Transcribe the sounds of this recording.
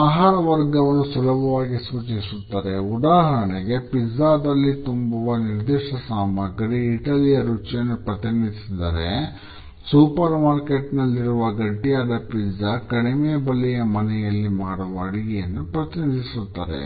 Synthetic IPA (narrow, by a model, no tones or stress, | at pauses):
aːɦaːɾɐʋɐɾɡɐʋɐnːusulɐbʱɐʋaːɡisuːt͡ʃisut̪ːaːɾe̞ud̪aːɦɐɳeɡe̞pizaːd̪ɐlːit̪umbuʋɐniɾd̪iːʂɐsaːmɐɡɐɾiːʈɐlijɐɾut͡ʃjɐnːupɾɐt̪inid̪isid̪a̰ːɾḛ | suːpɐɾmaːɾkeʈnɐlːiɾuʋɐɡɐʈːijaːd̪ɐpizakɐɽimɛjɐbɐlːɛjɐmɐnɛjɐlːimaːɽuʋɐɐɽiɡɛjɐnːupɾɐt̪inid̪isut̪ːa̰ːɾḛ